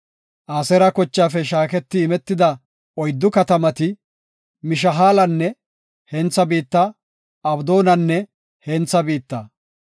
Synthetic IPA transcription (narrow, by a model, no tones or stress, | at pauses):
ʔaːsɛɾɐkɔt͡ʃːaːfɛʃaːkɛt̪ːɪːmɛt̪ːɪd̪ɐ | ɔjd̪ːʊkɐt̪ɐmɐt̪ɪ | mɪʃ̬ɐɦaːlɐnːɛ | hɛnt͡sːɐbiːt̪ːɐ | ɐbd̪o̞ːnɐnːɛ | hɛnt͡sːɐbiːt̪ːɐ